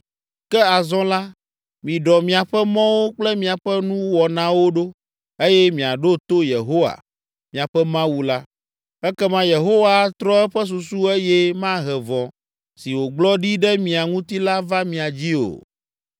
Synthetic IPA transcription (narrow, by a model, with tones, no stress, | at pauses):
kɛ˦a˨zɔ̃˦la˦ | mĩ˨ɖɔ˨mĩ˨a˨ɸɛ˦mɔ̃˦wo˦k͡plɛ˦mĩ˨a˨ɸɛ˦nũ˦wɔ˨nã˨wo˦ɖo˦ | e˦jɛ˦mĩ˨a˨ɖo˦t̪o˦je˨ɦo˦wa̰˨ | mĩ˨a˨ɸɛ˦mã˦wu˦la˦ | ɛ˦kɛ˦mã˦je˨ɦo˦wa˦t̪ɾɔ˦ɛ˦ɸɛ˦s̬u˨su˦ɛ˦jɛ˦mã˦ɦɛ˨vɔ̃˨ | si˨wo˨ɡ͡blɔ˦ɖi˦ɖɛ˦mĩ˨a˨ŋũ˦t̪i˦la˦va˦mĩ˨a˨d͡ʑi˦o̰˨